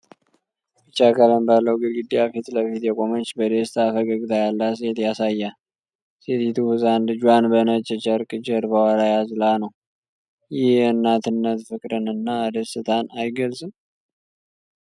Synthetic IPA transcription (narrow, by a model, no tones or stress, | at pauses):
bɨt͡ʃːakʰalənbalːəwɡɨd̪ɡɨd̪ːijafit̪ləfit̪jɛkʼo̞mət͡ʃːbəd̪est̪ʰafəɡəɡt̪ʰajalːas̬e̞t̪jasajːa | set̪it̪ʰuhɨzanlɨd͡ʒuwanbənət͡ʃʼːɛt͡ʃʼəɾkʼɨd͡ʒəɾbəwaɾajazlanəw | jɪhɨnːat̪ʰɨnːət̪fɨkʼɾɨnɨnːad̪əsɨt̪ʼanajɡəlsʼɨm